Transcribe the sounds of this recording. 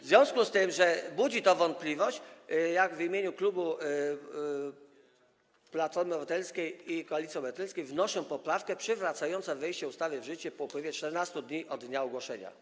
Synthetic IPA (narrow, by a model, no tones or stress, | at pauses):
vzvʲjɔ̃w̃skust̪ɘmʐɛbud͡ʑit̪ɔvɔnt̪̚plʲivɔɕt͡ɕjaɡvimʲjeɲuklubu | plat̪fɔɾmɘɔvɔt̪ɛlskʲejikɔalʲit̪sʲiɔbɾat̪ɛlskʲejvnɔʂɔ̃w̃pɔpɾafkɛpʂɘvɾat̪sajɔnt̪sɛvɛjɕt͡ɕɛust̪avʲjɛvʐɘt͡ɕɛpɔupwɘvʲjɛt͡ʂt̪ɛɾnast̪ud̪ɲiʔɔd̪ɲaɔɡwɔʂɛɲa̰